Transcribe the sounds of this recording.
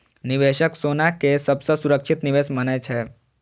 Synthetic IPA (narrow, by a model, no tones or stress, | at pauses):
nɪʋeʃəksonakesəbsəsuɾəkʃɪt̪nɪʋesmənet͡ʃʰe